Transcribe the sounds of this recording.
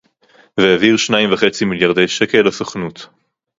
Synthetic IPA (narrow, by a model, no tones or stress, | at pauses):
veaviʁʃnaimvaχet͡similjaʁdejʃekelasoχnut